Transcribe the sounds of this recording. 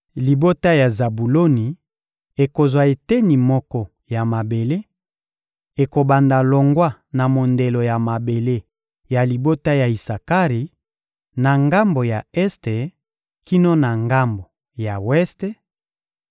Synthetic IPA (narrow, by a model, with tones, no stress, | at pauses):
li˨bo˦ta˦ja˨za˨bu˨lo˦ni˨ | e˨ko˨zwa˨e˨te˦ni˨mɔ˦kɔ˦ | ja˨ma˨be˨le˦ | e˨ko˨ba˨nda˨lo˨ŋɡwa˦na˨mo˨nde˨lo˨ja˨ma˨be˨le˦ | ja˨li˨bo˦ta˦ja˨i˨sa˨ka˦ʁi˨ | na˨ŋɡa˦mbo˨ja˨ɛ˦ste˨ | ki˦no˦na˨ŋɡa˦mbo˨ | ja˨wɛ˦ste˦